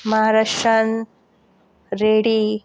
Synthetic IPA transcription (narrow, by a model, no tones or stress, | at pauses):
mɐɦaːɾaʂɾɐn | ɾeːɽi